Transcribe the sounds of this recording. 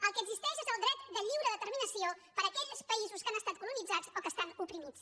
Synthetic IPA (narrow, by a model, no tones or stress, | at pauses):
əlˠkəːɡzist̪ɛʃezəlˠd̪ɾɛt̪̚d̪əʎiwɾəðət̪əɾminəsiopəɾəkɛʎspəizuskanəst̪at̪̚kulunid͡zad͡zokəst̪anupɾimit͡s